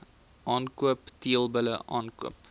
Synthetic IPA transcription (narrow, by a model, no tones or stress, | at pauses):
ʔɑːnkuəptiəlˠbələʔɑːnkuəp̚